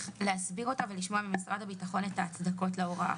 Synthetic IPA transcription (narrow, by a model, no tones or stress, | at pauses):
leasbiʁo̞taveliʃmo̞amimisʁadhabitaχo̞netaːt͡sd̪ako̞tleoʁa̰